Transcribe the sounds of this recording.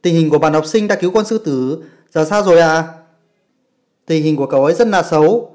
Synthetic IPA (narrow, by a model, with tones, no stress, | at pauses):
t̪ï˨˩ŋ̟hi˨˩ku˧˩əɓaː˧˩nha˨˩wk͡p̚sï˧ŋɗa̰ː˧˥ki˨˦wkɔ˧nsɨ˧t̪ɨ˧˩ | zaː˧˨˩saː˧zo˨˩jʔa̰ː˧˨ | t̪ï˨˩ŋ̟hi˨˩ŋ̟ku˧˩əkə˧˩wʔə˨˦jzə˦˥t̚na̰ː˧˨t̚sə˨˦w